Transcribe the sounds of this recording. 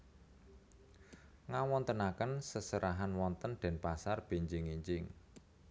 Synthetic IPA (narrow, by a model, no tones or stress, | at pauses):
ŋawɔnt̪ənakənsəsəɾaɦanwɔnt̪ənɖ̪̥ɛ̤npasarb̥e̤ɲd͡ʒɪŋiɲt͡ʃɪŋ